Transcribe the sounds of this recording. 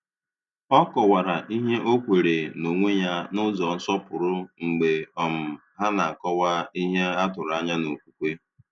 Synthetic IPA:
ɔ˦kɔ˨wa˨ɾa˨ʔi˦ɦe˦ʔo˦kʷe˨ɾe˨no˨ŋʷe˦ɲa˦nʊ˦zɔ˨n̩˦sɔ˦pʊ˨ɾʊ˦ŋ͡m̩˨ɡ͡be˨ɔ˨m̩˨ | ɦa˦na˨a˨kɔ˦wa˦i˦ɦe˦a˦tʊ˨ɾa˦ɲa˦no˨kʷu˦kʷe˦

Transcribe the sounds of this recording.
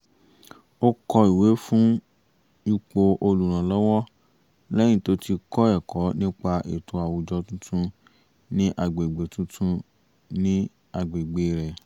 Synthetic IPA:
o˦kɔ˧i˨we˨˦fũ˦ | i˧k͡po˧ʔo˧lu˨ɾ̃ã˨lɔ˦wɔ˦ | lɛ˦j̃ĩ˦˨to˨˦tʰi˧kɔ˦ɛ˨kɔ˨˦nĩ˦k͡pa˧ʔḛ˨tʰo˧˦a˨wu˨d͡ʒɔ˧˦tũ˦tʰũ˦ | nĩ˦ʔa˧ɡ͡be˨ɡ͡be˨tũ˦tʰũ˦ | nĩ˦ | a˧ɡ͡be˨ɡ͡be˨ɾɛ˨

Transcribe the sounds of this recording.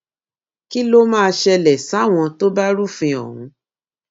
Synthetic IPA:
ki˦lo˦mãː˦˧ʃɛ˧lɛ˨sa˨˦˨w̃ɔ̃˧to˦ba˦ɾu˦fĩ˧ɔ̰˨ɦũ˨˦

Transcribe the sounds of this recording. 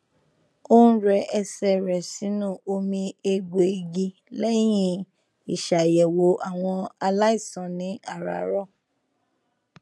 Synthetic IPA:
o˦ñ̩˦ɾɛ˧ɛ˧sɛ˨ɾɛ˨si˨˦nũ˦˨o˧mĩ˧e˧ɡ͡bo˨e˨ɡi˧ | lɛ˦j̃ĩ˦ | i˨ʃa˨jɛ˨wo˨˦ʔa˨w̃ɔ̃˧a˧la˦i˦˨sɔ̃˨nĩ˨˦a˦˨ɾa̰˨ɾɔ˦˨

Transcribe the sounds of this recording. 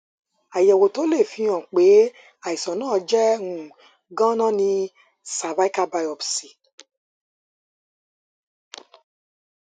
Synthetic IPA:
a˨jɛ˨wo˨to˨˦le˦˨fĩ˨˧˦ã˨k͡pe˨˦ | a˨i˨sɔ̃˨nãː˦˧d͡ʒɛ˦ũ˨ | ɡã˦nã˦nĩ˧ | sa˨va˨˦i˦ka˦ba˧jɔ˨bsi˨

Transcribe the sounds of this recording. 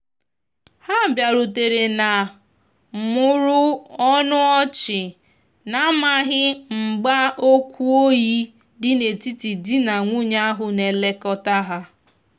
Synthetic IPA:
ha˦˨bja˨ɾu˨te˨ɾe˨na˨ | mʊ˦ɾʊ˦ɔ˦nʊ˦ɔ˦t͡ʃɪ˨ | na˦ma˦ɦɪ˦ŋ͡m̩˨ɡ͡ba˦o˦kʷu˦o˦ji˦ | dɪ˦ne˨ti˦ti˨di˦na˨ŋʷu˦ɲa˦a˦ɦʊ˨ne˨le˦kɔ˦ta˦ɦa˦

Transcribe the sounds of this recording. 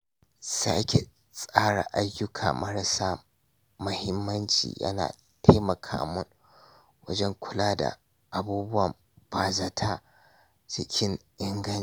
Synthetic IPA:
sa̰ː˦kʲe˨ | sʼaː˦ɽa̰˨ʔa˦jːʊ˦kʰaː˨mɐ˦ɽɐ˨saː˦ | mʊ˨hɪ˦mːɐ˦nt͡ʃḭː˨jʔɐ̰˦na̰ː˨ | ta˦jmɐ˨kʰa̰ː˨mʊ˦n | wɐ˦d͡ʒɛ˦ŋkʷʰʊ˦laː˦da̰˨ | ʔa˨buː˦bʊ˦wɐ˨m | baː˨za˨˦tʰa˦ | t͡ʃɪ˦kʲʰɪ˦ŋʔɪ˦ŋɡɐ˦n

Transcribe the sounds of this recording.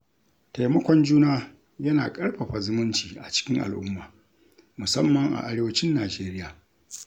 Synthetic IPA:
ta˨jmɐ˦kʷɔ˨nd͡ʒuː˦naː˦ | jɐ˦naː˨kʼɐ˦ɽɸɐ˨ɸa˨zʊ˦mʊ˦nt͡ʃiː˨ʔa˨t͡ʃɪ̥˦kʲɪ˦ŋʔa̰˨lʔʊ˦mːaː˨ | mʊ˨sɐ˦mːɐ˨ŋʔa̰˨ʔa˨˦ɾeː˦wɐ˦t͡ʃɪ˦nːaː˨d͡ʒeː˦ɾɪ˦jaː˨

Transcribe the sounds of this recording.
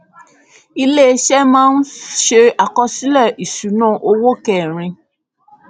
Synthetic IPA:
i˧le˦ʃɛ˦mãː˦n̩˦ʃe˧a˨kɔ˧si˦lɛ˦˨ʔi˨su˨˦nã˦˨ʔo˧wo˦kɛ˨ɾ̃ĩ˧

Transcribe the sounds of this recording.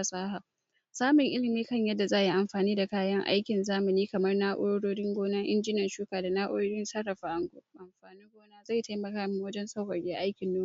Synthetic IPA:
a˨sʼaː˦ɦa˨ | saː˦mʊ˨ŋʔɪ˦lɪ˨nːeː˦kɐ˦˨ɲjɐ˦dːa˨zaː˦˨ji˦ʔa˨mɸaː˨niː˦da˨kaː˦jɐ˦ŋʔa̰˦jkʲɪ˨nzaː˦mɪ˨niː˦kɐ˨mɐ˦rnaː˦ʔʷʊ̰˦ɽo˦ɽoː˦ɽɪ˦ŋɡʷoː˦naː˦ʔɪ̰˦nd͡ʒɪ˦nɐ˨nʃuː˦kaː˨da˨naː˦ʔʷʊ̰˦ɽoː˦ɽɪ˦nsɐ˦rːɐ˨ɸaː˨ʔa˦ŋɡo˨ʔa˨mɸaː˨ni˦ŋɡʷoː˦naː˦za˦˨jta˦jmɐ˨kaː˦mu˨˦wɐ˦d͡ʒɛ˦nsa˦whɐ˨rɡʲeː˦ʔa˦jkʲɪ˨nːuː˦

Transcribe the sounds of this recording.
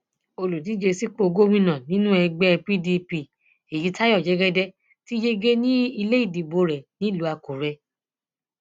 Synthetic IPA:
o˧lu˨di˨˦d͡ʒe˧si˦k͡po˧ɡo˦mĩ˦˧nã˨nĩ˦nũ˦ɛ˧ɡ͡bɛ˦˧pi˦di˧pi˧˨ | e˨ji˨˦ta˦jɔ˦˨d͡ʒɛ˨˦ɡɛ˦dɛ˦ | ti˦d͡ʒe˦ɡe˦nĩ˦i˧le˦i˦˨di˨bo˧˦ɾɛ˨nĩ˦i˦˨lu˨˧˦a˧ko˨ɾɛ˧

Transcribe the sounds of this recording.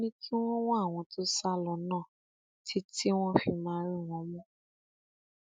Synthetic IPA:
nĩ˦kʰi˦w̃ɔ̃˦wɔ̃˦a˦˨w̃ɔ̃˧to˦sa˦lɔ˨nãː˦˨ | tʰi˦ti˦w̃ɔ̃˦fi˧mãː˦ɾĩ˦˨w̃ɔ̃˨˦mũ˦

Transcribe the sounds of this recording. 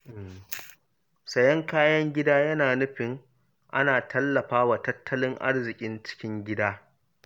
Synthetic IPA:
ʔɪ˨m | sɐ˨jɐ˦ŋkaː˦jɐ˦ŋɡʲɪ˦daː˦jɐ˦naː˨nʊ˦ɸɪ˨ŋ | ʔa̰˦naː˨tɐ˦lːɐ˨ɸaː˦wa˨tɐ˦tʰːɐ˦lɪ˦ŋʔa̰˦rzɪ˨kʲʼɪ˦nt͡ʃɪ̥˦kʲɪ˦ŋɡʲɪ˦daː˦

